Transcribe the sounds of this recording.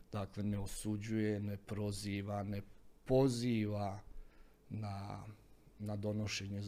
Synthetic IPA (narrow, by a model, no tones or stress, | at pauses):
d̪̥akle̞neosud͡ʑujenepɾo̞ziːʋanepo̞ziːʋa | na | nad̪o̞no̞ʃe̞ɲe